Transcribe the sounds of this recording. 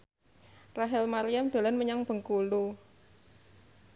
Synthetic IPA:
raɦɛlmaɾijamd̥̪o̤lanməɲaŋb̥ə̤ŋkulu

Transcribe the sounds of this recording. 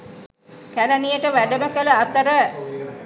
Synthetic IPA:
kæɾənijəʈəʋæɖəməkələat̪əɾə

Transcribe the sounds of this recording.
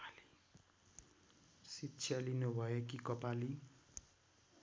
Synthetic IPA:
li | sit͡sʰjalinobʱʌjekikʌpali

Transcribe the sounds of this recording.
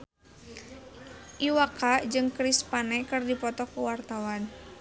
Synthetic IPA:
ʔiwakad͡ʒɨŋkɾispanɛkɨrdipɔt̪ɔkuwart̪awan

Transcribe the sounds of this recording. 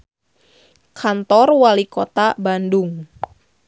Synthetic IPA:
kʰant̪ɔrwalikɔt̪abandʊŋ

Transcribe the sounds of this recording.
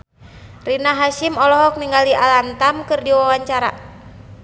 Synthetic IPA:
rinaɦaʃimɔlɔɦɔk̚niŋɡaliʔalant̪amkɨrdiwawaɲt͡ʃaɾa̰

